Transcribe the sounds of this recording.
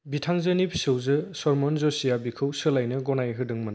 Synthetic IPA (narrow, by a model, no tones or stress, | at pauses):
bitʰaŋzɯnipʰsɯwzɯsɔɾmɔnzɔsijabikʰɯwsɯlajnɯɡɔnajɦɯdɯŋmɯn